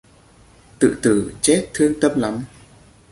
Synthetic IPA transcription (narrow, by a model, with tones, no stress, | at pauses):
t̪ɨ̰˧˨t̪ɨ˧˩t͡ɕɛ˦˥t̚t̪ʰɨ˧əŋt̪ə˧mla˨˦m